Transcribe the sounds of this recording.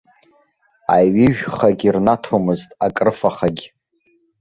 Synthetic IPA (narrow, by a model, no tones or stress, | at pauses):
aɥɪʒᶣχaɡʲirnatʰomɨztʼakʼrɨfaχaɡʲ